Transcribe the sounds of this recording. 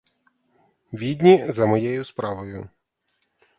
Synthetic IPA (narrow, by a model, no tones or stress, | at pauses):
ʋʲid̪ʲnʲizɐmɔjɛjʊspɾɑʋɔjʊ